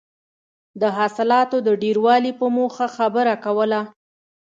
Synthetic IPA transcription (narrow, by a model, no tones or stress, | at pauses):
d̪əɦɑsɪlɑt̪od̪əɖeɾwɑlipəmoxaxabəɾakawəla